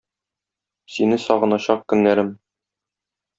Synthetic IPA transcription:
sinɘsɒʁɤ̆nɑɕɑq̚kɵ̆nːæɾɘm

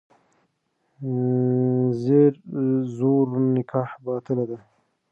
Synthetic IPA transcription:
zeɾzoɾnɪkʰɑːhbɑːt̪ɪlad̪a

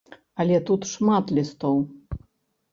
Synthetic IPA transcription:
ɐlʲɛt̪ut̪ʂmat̪lʲist̪ɔw

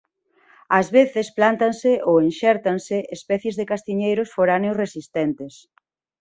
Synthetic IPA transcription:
azβeθesplant̪ansɪʔoenʃɛɾt̪ansɪʔespɛθjezðekast̪iɲejɾʊsfoɾaneʊsresist̪ɛnt̪ɪs

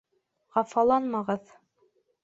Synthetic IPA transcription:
ʁɑfɑlˠɑnmɑʁɤð

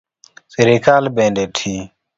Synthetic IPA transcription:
seɾekaːlbẽːɳɖeːʈʰiː

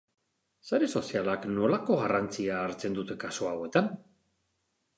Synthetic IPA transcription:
saɾeso̞sialakno̞lako̞ɣarant͡siaːɾt͡se̞nd̪ut̪e̞kasoawe̞t̪an

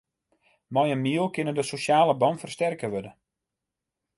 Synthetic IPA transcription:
mɔjənmiəlˠkɪnəndəsoʃjaːləbɔnfərstɛrkəʋødə

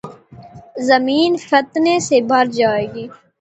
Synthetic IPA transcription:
zəmiːnfət̪nesebʱəɾd͡ʒaːeːɡiː

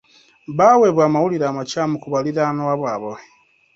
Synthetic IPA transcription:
baweβwaːmawuliɾaːmat͡ʃaːmukuβaliɾanowaβwaːβowe

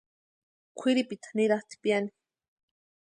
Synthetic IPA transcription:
kʷʰiɾipit̪ḁniɾɑχt̪i̥pjani̥

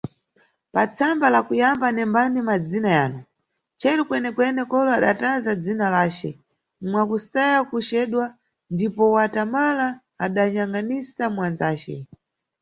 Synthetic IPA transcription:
pat͡sʰambalakujambanɛmbanimad͡zinajaːnu | t͡ʃɛɾukwɛnɛkwɛnɛkɔlɔaɗatazad͡zinalaːt͡ʃɛ | mwakusajakut͡ʃɛːɗwa | ndipɔwatamalaː | ɗaɲaŋanisamwand͡zaːt͡ʃɛ̰

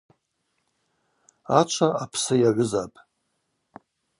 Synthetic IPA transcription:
at͡ʃʷʰaapʰsɨjaʕʷʊzapʼ

